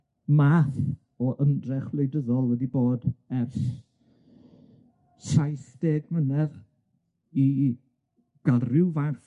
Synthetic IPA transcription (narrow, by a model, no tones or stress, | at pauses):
maːθ | ɔʔəndrɛχv̥lejdəðɔlˠwɛdiboːdɛrs | sajθd̥eːɡmənɛð | i | ɡ̥arɪwvaθ